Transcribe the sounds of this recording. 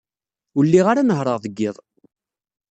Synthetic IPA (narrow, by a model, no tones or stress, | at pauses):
ʊlːiʁaɾanəɦɾˤəʁðəɡːɪðˤ